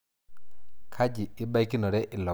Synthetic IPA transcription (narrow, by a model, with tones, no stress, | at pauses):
kʰa˦d͡ʒi˨ɪ˦ba˦i˦ki˦nɔ˨ɾɛ˦ʔɪ˨lɔ˨